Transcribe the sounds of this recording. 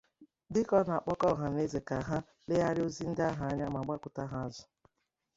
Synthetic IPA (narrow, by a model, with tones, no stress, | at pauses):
dɪ˦kɔ˦˨na˨k͡pɔ˦kɔ˦˨ɦa˨ne˦ze˨ka˨ɦa˦ | le˦a˦ɾɪ˦o˦zi˦n̩˦da˦ɦa˨a˦ɲa˦m˨a˨ɡ͡ba˦kʷʊ˨ta˦ɦa˦a˦zʊ˨